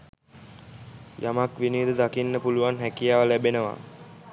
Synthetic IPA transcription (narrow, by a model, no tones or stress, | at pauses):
jamakʋinid̪ud̪akinːəpuluʋanɦækijaːʋəlæbenəʋa̰